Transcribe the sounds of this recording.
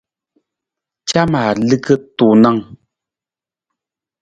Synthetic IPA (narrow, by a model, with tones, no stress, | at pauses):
t͡ʃa˦maː˨lɨ˦kə˦tu˨na˦˨ŋ